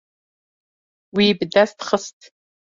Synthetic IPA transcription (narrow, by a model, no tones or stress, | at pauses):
wiːbdastχəstʰʼ